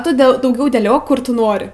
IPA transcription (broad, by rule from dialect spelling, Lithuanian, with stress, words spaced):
ˈtʊ ˈdʲɛlˠ dɐʊˈɡʲɛʊ dʲeːˈlʲoːk ˈkʊr tʊ ˈnoːrʲɪ